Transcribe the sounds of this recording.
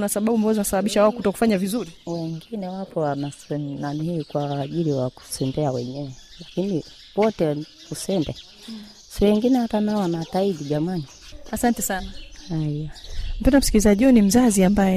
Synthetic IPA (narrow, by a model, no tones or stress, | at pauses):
nasaɓaɓuambazanasaɓaɓiʃawaɔkutɔku̥faɲavizuɾiwɛŋɡinɛwapɔwanasɛnanihiːkwaʄiliwaku̥sɛmbɛawɛɲɛɛlakini | wɔtɛ | usɛmbɛ | siwɛŋɡinɛwatanawanataiɗiʄamaniasantɛsanaajam̩pɛndam̩sikilizaʄiunim̩zaziambajɛ